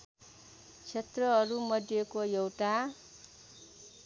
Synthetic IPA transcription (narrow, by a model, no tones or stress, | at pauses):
t͡sʰet̪rʌʌɾumʌdjekojʌwʈa